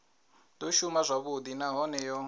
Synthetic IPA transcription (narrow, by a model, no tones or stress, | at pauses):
d̪ɔʃumazʷaβud̪inaɦɔnɛjɔ